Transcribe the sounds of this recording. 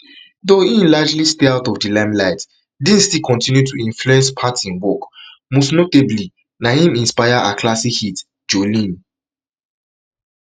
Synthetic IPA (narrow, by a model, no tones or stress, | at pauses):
doĩnlad͡ʒlisteaʊtɔvdilãmlaɪt | dĩnstikʰɔ̃ntĩnjutʰuĩnfluɛ̃nspʰatsĩnwɔk | mɔsnotebli | nahĩmĩnspaɪaʔakʰlasihit | d͡ʒolĩn